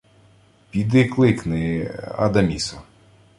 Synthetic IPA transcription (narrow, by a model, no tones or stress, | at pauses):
pʲid̪ɪklˠɪknɪɐ̰d̪ɐmʲisɔ